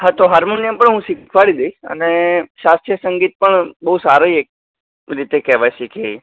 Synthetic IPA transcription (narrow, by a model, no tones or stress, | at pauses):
ɦat̪oɦaɾmonãmpəɳɦũsikʰʋaɽid̪əiə̰neʃast̪ɾjəsəŋɡit̪̚pəɳbəɦusaɾoiek̚ | ɾit̪ekɛʋajʃikʰei